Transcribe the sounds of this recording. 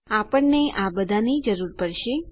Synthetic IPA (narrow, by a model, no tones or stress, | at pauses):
apəɳneabəd̪ʱanid͡ʒəɾuɾpəɽʃe